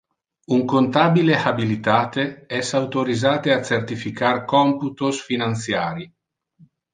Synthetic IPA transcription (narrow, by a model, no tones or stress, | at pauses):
uŋkont̪aːbilehabilit̪aːt̪eɛsawt̪oɾizaːt̪easert̪ifikarkɔmput̪osfinant̪sjaːɾi